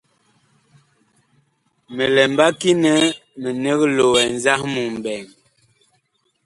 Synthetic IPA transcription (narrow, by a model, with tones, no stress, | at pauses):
mə˨lɛ˨mba˦ki˦nɛ˦mə˨ne˦ɣlo˨wɛ˨nza˦hmu˨m˨bɛ˨ŋ